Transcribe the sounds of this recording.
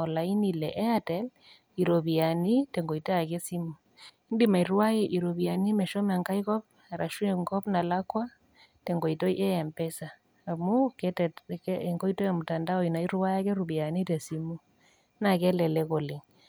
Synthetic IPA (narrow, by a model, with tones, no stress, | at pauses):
ɔ˨la˨i˦ni˨lɛ˨ʔɛ˦a˦tɛ˦l | i˨ɾɔ˨βi˨a˨ni˦tɛ˨ŋɡɔ˨i˨tɛ˦a˨kɛ˦si˦mu˨ | i˦ndi˦ma˨i˨ɾwwa˦je˦ʔi˨ɾɔ˨βi˨a˨ni˦mɛ˨ʃɔ˦ma˨ŋka˦i˦ɣɔ˦p̚ | a˨ɾʔa˨ʃu˦ɛ˨ŋɡɔ˦pna˨la˦kwa˦ | tɛ˨ŋɡɔ˨i˨tɔ˦iʔɛ˦ja˨mpɛ˦sa | a˨mu˦kɛtkːŋɡɔ˦i˦tɔ˦ja˨mu˨ta˨nda˦ɔ˨i˨na˨i˦ɾwa˦ja˦kɛ˦ɾu˨βi˨a˨ni˦tɛ˨si˦mu˦ | na˨kɛ˦lɛ˨lɛ˦ɣɔ˨lɪ˨ŋ